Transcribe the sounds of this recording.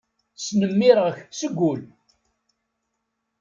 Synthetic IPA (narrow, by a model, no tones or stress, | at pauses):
snəmːɪɾʁəçsəɡʷːʊl